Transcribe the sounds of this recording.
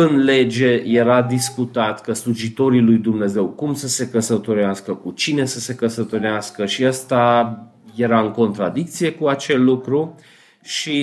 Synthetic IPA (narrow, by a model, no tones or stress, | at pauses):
ɨnle̞d͡ʒe̞je̞ɾad̪iskut̪at̪kəsluʒit̪o̞ɾilujd̪umne̞ze̞wkumsəse̞kəsət̪oɾeaskəkut͡ʃine̞səse̞kəsət̪oɾeaskəʃiast̪a | je̞ɾaɨŋko̞nt̪ɾad̪ik̚t̪sije̞kuat͡ʃe̞lːukɾu | ʃi